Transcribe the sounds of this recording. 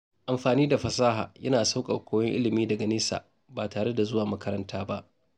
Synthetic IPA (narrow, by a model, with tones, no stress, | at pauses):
ʔa˨mɸaː˨niː˦da˨ɸɐ˨saː˦ɦa̰ː˨jɐ˦naː˨sa˦wkʼɐ̰˨kʷʰoː˦jɛ˦ŋʔɪ̰˦lɪ˨miː˦dɐ˨ɡɐ˨nɪː˦sa̰ː˨ | baː˨taː˨ɽe˦da˨zʊ˦waː˨mɐ˦kɐ˦ɾɐ˦ntaː˦ba˦ʔ